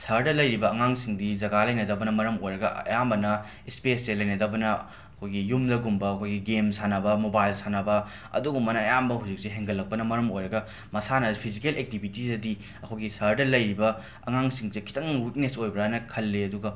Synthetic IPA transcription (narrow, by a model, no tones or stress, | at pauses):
sɐɾdɐlɐjɾibɐɐŋaŋsiŋdizɐɡalɐjnɐdɐbɐnɐmɐɾɐmojɾɐɡɐɐ̰jambɐnɐ | ispeselɐjnɐdɐbɐnɐ | ɐkʰojɡijumdɐɡumbɐːkʰojɡiɡemsanɐbɐmobajlsanɐbɐ | ɐ̰duɡumɐnɐːjambɐɦud͡ʒik̚seɦeŋɡɐlːɐk̚pɐnɐmɐɾɐmojɾɐɡɐ | mɐsanɐpʰizikelek̚tibʱitidɐdi | ɐkʰojɡisɐɾdɐlɐjɾibɐ | ɐ̰ŋaŋsiŋzekʰi̥tɐŋwik̚nesojbɾanɐkʰɐlːeɐduɡɐ